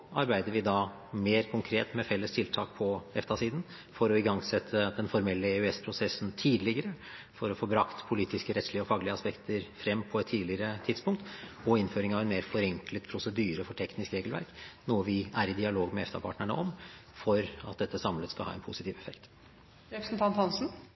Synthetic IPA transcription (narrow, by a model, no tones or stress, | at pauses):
ɑɾbæɪd̪əɾʋɪd̪ɑ | meːɾkʰʊŋkʰɾeːt̪mɛfɛlːəst̪ʰɪlt̪ʰɑːk̚pʰɔɛft̪ɑsiːd̪n̩ | fɔɾɔɪɡɑŋsɛt̪ʰːəd̪ɛnfɔɾmɛlːəɛʉɛspʰɾʊsɛsən̩t̪ʰiːd̪lɪɡəɾə | fɔɾɔfoːbɾɑkt̪pʰʊliːt̪ɪskəɾɛt̪slɪəɔfɑːɡəlɪəɑspɛkt̪əɾfɾɛmːpʰɔɛt̪ʰːiːlɪəɾət̪ʰɪd̪spʊŋk̚t̪ɔɪnføːɾɪŋɑʋɛnmeːɾfɔɾɛŋklət̪pʰɾʊsəd̪yːɾəfɔʈʰɛknɪskɾeːɡəlʋæ̰ɾknuːəʋɪæɾɪd̪ɪɑloːɡmɛɛ̰ft̪ɑpʰɑ̰ːʈɳəɳə̰ʔɔmfɔɾɑ̰t̪̚d̪ɛt̪ːəsɑmlət̪skɑlhɑ̰ːɛnpʰʊsɪt̪iːʋɛfɛkt̪ | ɾɛpɾəsn̩t̪ʰɑnt̪hɑnsn̩